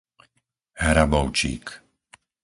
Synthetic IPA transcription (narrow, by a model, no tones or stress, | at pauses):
ɦɾabɔʊt͡ʃḭːk